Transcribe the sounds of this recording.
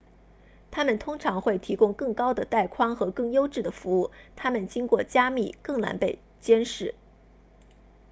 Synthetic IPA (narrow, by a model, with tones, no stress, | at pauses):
t̪ʰa˥mə˨nt̪ʰʊ˥ŋʈ͡ʂʰɑ˧˥ŋxwe˥˩ɪt̪ʰi˧˥kʊ˥ŋkɤ˥˩ŋkɑ˥ʊd̪ə˨t̪a˥˩ɪkʰwɑ˥ŋxɤ˧˥kɤ˥˩ŋjo˥ʊʈ͡ʂɻ̩˥˩d̪ə˩fu˧˥u˥˩t̪ʰa˥mə˨nt͡ɕi˥ŋkwɔ˥˩t͡ɕja˥mi˥˩kɤ˥˩ŋla̰˧˥npe˥˩ɪ | t͡ɕjɛ˥nʂɻ̩˥˩